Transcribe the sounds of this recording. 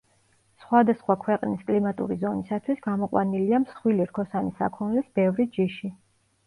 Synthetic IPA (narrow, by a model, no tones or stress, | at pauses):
sχwad̪asχwakʰwɛqʼniskʼlimat̪ʼṵɾizɔnisat̪ʰwisɡamɔqʼwa̰niliamsχwiliɾkʰɔsanisa̰kʰɔnlɛsbɛvɾid͡ʒiʃi